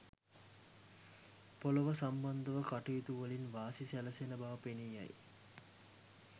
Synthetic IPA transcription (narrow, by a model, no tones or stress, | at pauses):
poləʋəsamband̪əʋəkaʈujit̪uʋəlinʋaːsisæləsenəbaʋəpeniːja̰j